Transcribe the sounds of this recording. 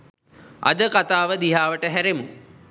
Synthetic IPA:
ɐ̰d̪əkat̪aːʋəd̪iɦaːʋəʈəɦæɾemu

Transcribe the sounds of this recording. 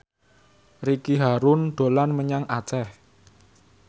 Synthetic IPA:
rikiɦaɾʊnɖ̪̥o̤lanməɲaŋat͡ʃɛh

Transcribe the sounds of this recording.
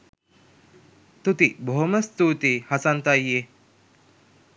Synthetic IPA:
t̪ut̪ibʱoɦmɐst̪ut̪ihɐsant̪ajːe

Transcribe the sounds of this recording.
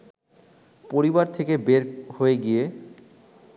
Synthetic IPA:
poɾibaɾt̪ʰekebeɾhoeɡije

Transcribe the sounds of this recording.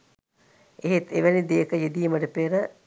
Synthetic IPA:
eɦet̪eʋænid̪eːkəjed̪ijməʈəpeːɾə

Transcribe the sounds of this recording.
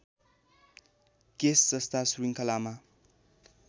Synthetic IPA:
kesːʌst̪ʰasuɾiŋkʰʌlama

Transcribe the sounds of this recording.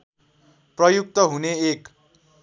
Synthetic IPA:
prʌjuk̚t̪ʌɦuneek

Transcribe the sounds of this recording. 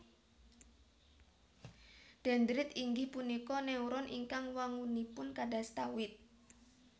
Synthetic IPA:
ɖ̥a̤nd̪ɾɪt̪iŋɡihpunikɔnɛuɾɔnʔḭŋkaŋwaŋunipʊnkaɖast̪awɪt̪̚

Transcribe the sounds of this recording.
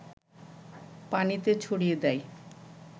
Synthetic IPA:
panit̪et͡ɕʰoɽijed̪ɛj

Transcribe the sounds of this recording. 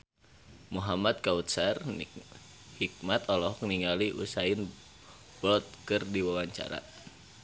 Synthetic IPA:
muɦamad̪̚kaut̪̚sar | hik̚mat̪ɔlɔɦɔkniŋaliʔṵsain | bɔt̪̚kɨrdiwawaɲt͡ʃa̰ɾa̰

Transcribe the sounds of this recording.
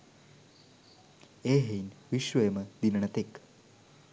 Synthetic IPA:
eɦejnʋiʃʋemɐd̪inɳɐt̪ek

